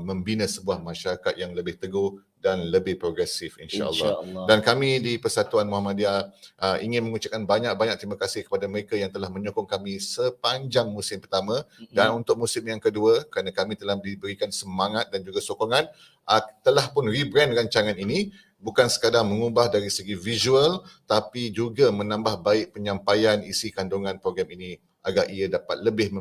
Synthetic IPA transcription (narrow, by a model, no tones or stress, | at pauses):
mə̃mbinə̃səbuahmãʃaɾakat̪̚jaŋləbɪht̪əɡo | danləbɪhpɾoɡɾɛsɪfḭnʃa̰ʔə̰llːa̰dankamĩdipərsat̪uanmuahmãdiaʔəḭŋɪnmə̃ŋut͡ʃap̚kanbaɲak̚baɲak̚t̪ɾimakasɪhkə̥padaməɾekajaŋt̪əlahmə̃ɲokɔŋkamĩsəpaɲd͡ʒaŋmusɪmpərt̪amãdanunt̪ʊk̚musɪmjaŋkəduəkəɾanakamit̪əlahdibəɾikansəmaŋat̪̚dand͡ʒuɡasokoŋan | ʔət̪əlahpʊnribɾɛndraɲt͡ʃaŋanini | bukansə̥kadaŋməŋubahdaɾisəɡivizuəlt̪apid͡ʒuɡamə̃nãmbahbaɪʔ̚pəɲãmpajanḭsikandoŋãnpɾoɡɾamini | ʔaɡarʔiadapa̰t̪̚ləbɪh